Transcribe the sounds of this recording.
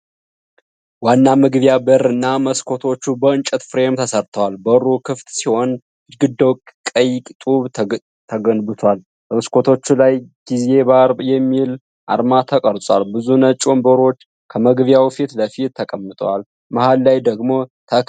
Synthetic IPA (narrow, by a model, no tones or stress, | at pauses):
wanːamɨɡɨβjabəɾɨnːaməskʰo̞t̪ʰo̞t͡ʃːubəɨnt͡ʃʼət̪fɾe̞mt̪ʰəsəɾt̪ʰəwalbəɾukʰɨft̪siho̞n | ɨɡɨd̪ːowkkʼəjkʼt̪ʼuβ | t̪ʰəɡənbɨt̪ʰwal | bəməskʰo̞t̪ʰo̞t͡ʃːulajɡ̥ize̞baɾjɛmːil | ʔa̰ɾmat̪ʰəkʼəɾsʼwa̰lbɨzunət͡ʃʼombəɾo̞t͡ʃː | kʰəməɡβjawfit̪ləfit̪ʰːəkʼəmːɨt̪ʼəwal | mahalːajd̪əɡmo̞t̪ʰə